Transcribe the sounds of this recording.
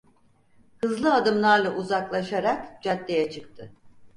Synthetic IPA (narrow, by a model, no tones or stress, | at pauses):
hɯzlˠɯad̪ɯmlˠaɾlˠaʔuzaklˠaʃaɾakd͡ʒat̪ːejɛt͡ʃʰɯk̚t̪ʰɯ